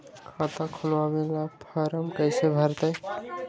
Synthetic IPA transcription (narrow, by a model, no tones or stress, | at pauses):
kʰat̪ãkʰulʋamelapʰəɾəmkəɪsebʱəɾt̪əj